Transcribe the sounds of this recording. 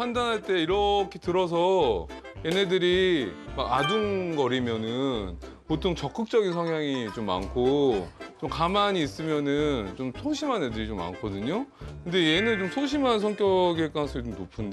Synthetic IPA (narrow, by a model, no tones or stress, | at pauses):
pʰandanɦaɭt͈e̞iɾʌkʰetɯɾʌs̬ʰʌ | je̞ne̞dɯɾimaɡadunɡʌɾimjʌnɯnpotʰoŋt͡ɕʌk͈ɯk̚t͡ɕ͈ʌɡinsʰʌŋjaŋit͡ɕomːa̰nkʰot͡ɕomkamaɲiːs͈ɯmjʌnɯnt͡ɕomsʰoɕʰimane̞dɯɾit͡ɕomːa̰nkʰʌdɯɲokɯnde̞je̞nɯnt͡ɕomsʰoɕʰimans̬ʰʌŋk͈jʌɡek͈asʰʌit͡ɕomnopʰɯnde